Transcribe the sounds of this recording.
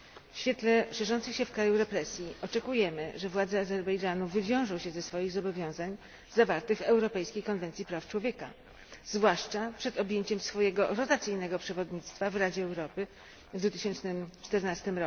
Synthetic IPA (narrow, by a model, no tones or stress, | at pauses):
fɕfʲjɛt̪lɛʂɛʐɔnt̪sɘxɕɛfkɾajuɾɛpɾɛsʲjiɔt͡ʂɛkujɛmɘʐɛvwad̪zɛazɛɾbɛjd͡ʐanuvɘvʲjɔ̃w̃ʐɔ̃w̃ɕɛzɛsfɔjiɣzɔbɔvʲjɔ̃w̃zaɲ | zavaɾt̪ɛxvɛwɾɔpɛjskʲejkɔnvɛnt̪sʲipɾaft͡ʂwɔvʲjɛka̰ | zvwaʂt͡ʂapʂɛt̪ɔbʲjeɲt͡ɕɛmsfɔjɛɡɔɾɔt̪at̪sɘjnɛɡɔpʂɛvɔd̪ɲit̪st̪favɾad͡ʑɛːwɾɔpɘ | vd̪vut̪ɘɕɛnt͡ʂnɘmt͡ʂt̪ɛɾnast̪ɘmɾɔ